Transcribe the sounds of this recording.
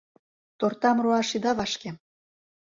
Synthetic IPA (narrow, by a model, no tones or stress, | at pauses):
t̪ort̪ɑmroɑʃid̪ɑβɑʃke